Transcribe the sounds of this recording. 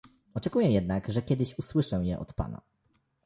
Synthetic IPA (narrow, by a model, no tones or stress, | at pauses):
ɔt͡ʂɛkujɛjɛd̪naɡʐɛkʲɛd̪ɘɕuswɘʂɛjɛʔɔ̰t̪pa̰na̰